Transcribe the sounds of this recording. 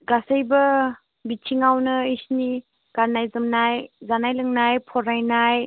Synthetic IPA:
ɡasəjbə | bit͡ʃʰiŋawnɯisni | ɡ̥aɾnajzɯmnajzanajlɯŋnajpʰɔɾajnaj

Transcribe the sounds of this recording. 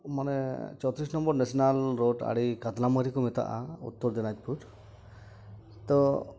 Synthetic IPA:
manɛt͡ʃɔt̪ɾisnɔmbɔɾnesɔnalɾoʈa̰ɽikad̪laməɾikɔmet̪a̰ʔa̰ṵt̪ːɔɾd̪inat̪̚pʰuʈ | t̪ɔ

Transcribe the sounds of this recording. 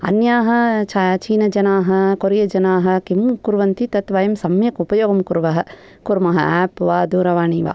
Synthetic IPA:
ɐ̰njaːɦɐ̆t͡ʃʰɐt͡ʃiːnɐd͡ʒɐnaːɦɐ̆koɾijɐd͡ʒɐnaːɦɐ̆kimkuɾʋɐnt̪it̪ɐt̪ʋɐjɐmsɐmjɐkupɐjoːɡɐmkuɾʋɐɦɐ̆ | kuɾmɐɦɐɛːpʋaːd̪uːɾɐʋaːɳiːʋa̰ː

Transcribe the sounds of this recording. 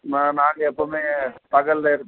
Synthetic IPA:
anaːŋɡɐɛpːoːmeːt̪ɐɣɐllɐɪɾɯ

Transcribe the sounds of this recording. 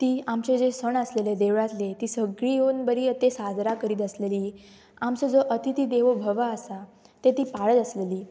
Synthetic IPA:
t̪iːamt͡ɕed͡zesəɳəsleled̪eʋɭat̪let̪iːsəɡɭiːonbəɾiːət̪esad͡zɾakəɾiːt̪əsleliː | amt͡səd͡zəʔət̪ʰit̪iːd̪eʋəbʱəʋaəsa | t̪et̪iːpaɭət̪əsleliː

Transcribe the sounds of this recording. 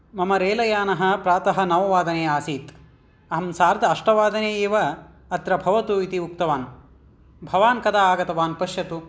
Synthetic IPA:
mɐmɐɾeːlɐjaːnɐɦɐ̆pɾaːt̪ɐɦɐ̆nɐʋɐʋaːd̪ɐneːaːsiːt̪ | ɐɦɐmsaːɾd̪ʱɐɐʂʈɐʋaːd̪ɐneːeːʋɐ | ɐt̪ɾɐbʱɐʋɐt̪uit̪iuk̚t̪ɐʋaːn | bʱɐʋaːnkɐd̪ʰaːaːɡɐt̪ɐʋaːnpɐʃjɐt̪u

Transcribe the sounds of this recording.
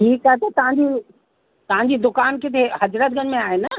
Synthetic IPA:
ʈʰiːkaːɦet̪ɐt̪ɐʋ̤ãɲd͡ʑi | t̪ɐʋ̤ãɲ̆d͡ʑiːd̪ʊkaːnkɪt̪ʰeɦɐd͡ʑɾət̪̚ɡʱənmẽaːɦenɐ

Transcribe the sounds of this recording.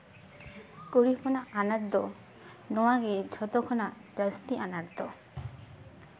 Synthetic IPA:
koɾipʰɔnaʔanaɾd̪ɔ | nɔwaɡed͡ʒʰʱɔt̪ɔkʰɔnad͡ʒast̪iʔanaɾd̪ɔ

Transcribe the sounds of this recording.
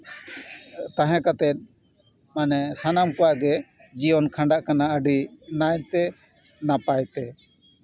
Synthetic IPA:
t̪aɦɛ̃kat̪ɛt̪̚ˀ | manɛsanamkɔwaʔɡɛ | d͡ʒiɔnkʰãɳɖaʔkanaəɖinajt̪ɛ | napajt̪ɛ

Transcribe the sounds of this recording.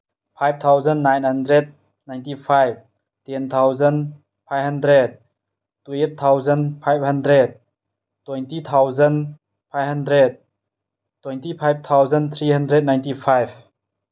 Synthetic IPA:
pʰajb̚t̪ʰawzənːajnhandɾɛd̚ | najnt̪ipʰajv̚ | t̪ɛnt̪ʰawzən | pʰajhandɾɛd̚ | tuʔet̚t̪ʰːawzənpʰajvhɐndɾɛd̚ | t̪ːwɛjnt̪it̪ʰawzən | pʰajvhandɾɛd̚ | t̪ːwɛnt̪ipʰajb̚t̪ʰawzənt̪ʰɾihandɾɛd̚najnt̪ipʰajv

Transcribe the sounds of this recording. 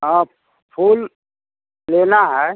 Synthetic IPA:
əp | pʰuːl | lenaɦɛ

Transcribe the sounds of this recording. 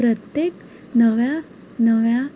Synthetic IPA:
ɾət̪jek | nəʋja | nəʋja

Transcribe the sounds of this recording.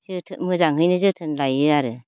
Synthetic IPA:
zɯtʰɯmɯzaŋɦɯjnɯzɯtʰɯnlajɯaɾɯ

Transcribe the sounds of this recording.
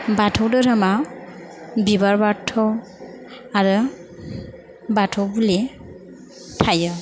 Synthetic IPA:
batʰɔwdɯɾama | bibaɹbatʰːɔ | aɹɯ | batʰɔwbuli | tʰajɔ

